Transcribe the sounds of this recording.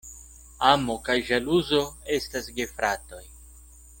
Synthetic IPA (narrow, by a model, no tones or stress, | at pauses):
amo̞kajʒaluzo̞e̞stasɡe̞fɾato̞j